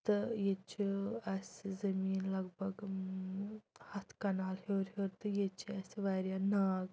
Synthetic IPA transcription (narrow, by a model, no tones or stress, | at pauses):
t̪ɨjet͡ʃiɐszɐmiːnlɐɡbɐɡ | hɐt̪ʰkɐnaːlɦeːɾɦoːɾt̪ɨjet͡ʃiɐsʋajɾjanaːɡ